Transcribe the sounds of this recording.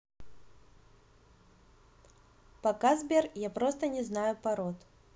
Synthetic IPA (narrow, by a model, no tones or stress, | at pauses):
pɐkazbʲɛrjapɾɔst̪ənʲɛznajʊpɐɾɔt̪